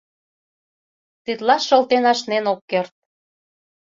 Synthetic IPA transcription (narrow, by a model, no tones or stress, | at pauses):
t̪it̪lɑʃɤ̆lt̪enɑʃnenokːert̪̚